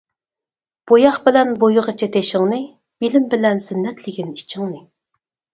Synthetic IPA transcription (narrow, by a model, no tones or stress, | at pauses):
b̥ojɑχbɪlɛnbojʊʁɑt͡ʃʰɛt̪ʰeʃɪŋnɨ | b̥ilɪmbɪlɛnsɪnːɛt̪ʰlɪɡʲinit͡ʃʰɪŋnɨ